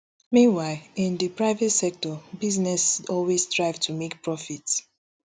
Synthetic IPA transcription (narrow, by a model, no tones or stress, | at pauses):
mĩnwaɪlĩndipɹaɪvɛtsɛk̚tɔbiznɛsɔlwestɹaɪvtʰumek̚pɹɔfits